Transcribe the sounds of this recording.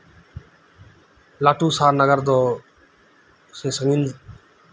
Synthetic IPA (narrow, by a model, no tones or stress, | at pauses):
laːʈuːsaːɾnəɡəɾd̪oː | seːsəŋɡin